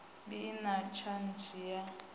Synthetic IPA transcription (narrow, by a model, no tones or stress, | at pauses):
binat͡ʃʰand͡ʒija